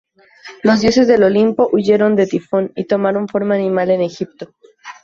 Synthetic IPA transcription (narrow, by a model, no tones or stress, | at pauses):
lo̞zðjo̞se̞zðe̞lo̞limpo̞ʔuʝe̞ɾo̞nd̪e̞t̪ifo̞nit̪o̞maɾo̞ɱfo̞ɾmaaːnĩmale̞ne̞xip̚t̪o̞